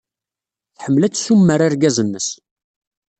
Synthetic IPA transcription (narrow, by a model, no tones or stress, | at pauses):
θħəmːlæt͡sːsumːəɾaɾɡæzənːəs